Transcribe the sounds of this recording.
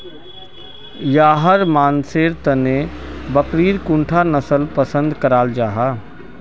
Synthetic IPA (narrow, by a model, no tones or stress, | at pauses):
jaːɦəɾmaːnseːɾt̪ənebəkɾiːɾkũɳʈʰanəsəlpəsə̃nd̪kəɾaːld͡ʒaːɦaː